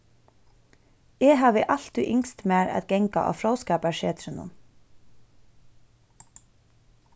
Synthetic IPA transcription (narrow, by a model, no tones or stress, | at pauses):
ɛːɦɑːʋəʔɑl̥t̪ʏʔɪŋst̪mæːɾæ̰t̪ɡ̥ɛŋka̰ʔɑ̰ːfɾowskɑːpaʃeːt̪ɾɪnʊ̰n